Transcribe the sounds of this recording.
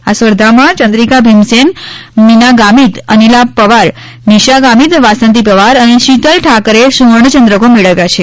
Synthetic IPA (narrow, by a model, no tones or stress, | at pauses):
asʋəɾd̪ʱamãt͡ʃənd̪ɾikabʱimsenminaɡamit̪ənilapəʋaɾ | niʃaɡamit̪ʋasə̃nt̪̬ipəʋaɾəneʃit̪əlʈʰakəɾesuʋəɳ̃ət͡ʃənd̪ɾəkomeɭəʋjat͡ʃʰe